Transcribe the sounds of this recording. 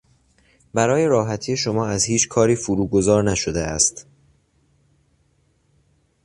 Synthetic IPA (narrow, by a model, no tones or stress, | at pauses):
bæɾɒːje̞ɾɒːɦæt̪ʰiːje̞ʃo̞mɒːæzhiːt͡ʃʰkʰɒːɾiːfuɾuːɡo̞zɒːɾnæʃod̪eæst̪